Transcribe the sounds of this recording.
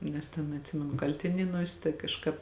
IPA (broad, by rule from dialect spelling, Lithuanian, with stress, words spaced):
nʲɛs ˈtʲɛn ɐtʲˈsʲɪmʲɛnʊ ˈkɐlʲtʲɪnʲeːnuɔsʲ tɐɪ kɐʃˈkɑːp